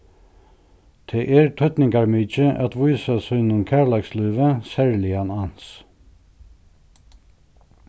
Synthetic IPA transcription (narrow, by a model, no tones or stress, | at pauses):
t̪ʰeːʔeːɹt̪ʰœt̪nɪŋkɑɹmyːt͡ʃəʔɑt̪ʋuːsɑsœnʊmkʰæːɹlɑkslyːʋəsæɹlɪɑnɑns